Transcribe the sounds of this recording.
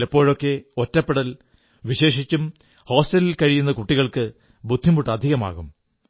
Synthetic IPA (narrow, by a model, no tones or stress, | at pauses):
lɐpːo̞ːɻo̞kːe̞otːɐpːeɽɐl | ʋiɕe̞ːʂit͡ɕːum | ho̞ːsʈɐlilkɐɻijunːɐkuʈːiɣɐɭkɨ | bʱud̪ʱːimuʈːɨɐd̪ʱiɣɐma̰ːɣum